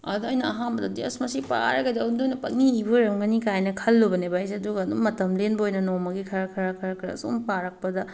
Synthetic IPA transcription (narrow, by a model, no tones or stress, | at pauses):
ɐduɐjnɐɐɦanbɐdɐdeɐsmɐsipa̰ɾɐɡedandojnɐpɐk̚niibuɾɐmɡɐnikajnɐkʰɐlːubɐnebajsɐduɡɐːdumɐtɐmlenbɐojnɐnomɐɡikʰɐɾɐkʰɐɾɐkʰɐɾɐkʰɾɐ̰sṵmpaɾɐk̚pɐdɐ